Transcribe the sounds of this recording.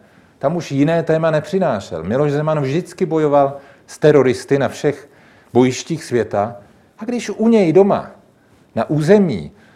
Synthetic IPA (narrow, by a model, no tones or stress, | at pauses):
t̪amuʃjɪnɛːt̪ɛːmanɛpr̝̥ɪnaːʃɛ̰lmɪlo̞ʃzɛmanvʒdɪt͡skɪbo̞jo̞val | st̪ɛɾo̞ɾɪst̪ɪnafʃɛx | bo̞jɪʃciːxsvjɛt̪a | ʔaɡdɪʃʔuɲɛjdo̞ma̰ | naʔuːzɛmḭː